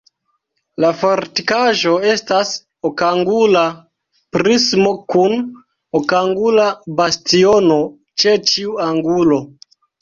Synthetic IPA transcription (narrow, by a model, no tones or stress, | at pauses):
lafoɾtikaʒo̞e̞stas | okaŋɡula | pɾismo̞kun | okaŋɡulabastio̞no̞ | t͡ʃe̞t͡ʃiuaŋɡulo̞